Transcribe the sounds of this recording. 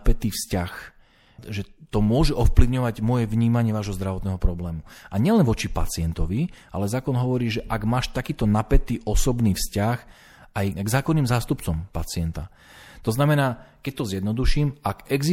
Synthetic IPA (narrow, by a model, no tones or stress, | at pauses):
pɛt̪iːfscax | ʒɛt̪ɔmʊɔʒɛʔɔfpliʊɲɔʋaɟmɔjɛʋɲiːmaɲɪɛʋaːʒɦɔzd̪ɾaʋɔt̪nɛɦɔpɾɔblɛːmuaɲɪɛlɛnʋɔt͡ʃipa̰t͡sɪɛnt̪ɔʋiʔa̰lɛzaːkɔnɦɔʋɔɾiːʒɛʔaɡmaːʃt̪akiːt̪ɔnapɛt̪iːʔɔsɔbniːfscax | ajɡzaːkɔnːiːmzaːst̪upt͡sɔmpat͡sɪɛnt̪a | t̪ɔznamɛnaːkɛc̚t̪ɔzjɛd̪nɔd̪uʃiːmaɡɛɡzi